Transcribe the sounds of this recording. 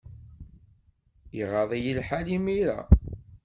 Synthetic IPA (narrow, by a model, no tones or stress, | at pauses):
iʁɑðˤejəlħalimiɾæ̰